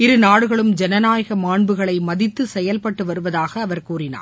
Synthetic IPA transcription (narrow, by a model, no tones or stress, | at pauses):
ɪɾɯnaːɽɯɣɐɭɯmd͡ʒɛnɐnaːjɐɣɐmaːɳbɯɣɐɭɐɪmɐðɪt̪ːɯsɛjɐlpɐʈːɯʋɐɾɯʋɐðaːɣɐːʋɐɾkuːrɪna̰ː